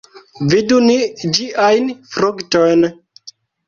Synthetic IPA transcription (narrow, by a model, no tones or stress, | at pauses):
vidunid͡ʒiʔajnfɾuktojn